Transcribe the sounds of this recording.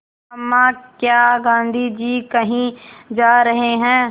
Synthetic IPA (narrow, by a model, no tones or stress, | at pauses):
ɐmːãkjaːɡãːnd̪ʱid͡ʒiːkɐɦĩd͡ʒaːɾɐɦeɦɛ̃ː